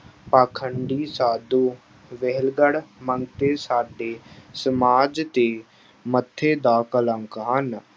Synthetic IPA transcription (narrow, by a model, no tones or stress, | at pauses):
paːkʰəɳɖiːsaːd̪uː | ʋeɦlɡəɽməŋɡt̪eːsaːɖeːsəmaːd͡ʒt̪eː | mət̪ʰːeːd̪aːkələŋkɦən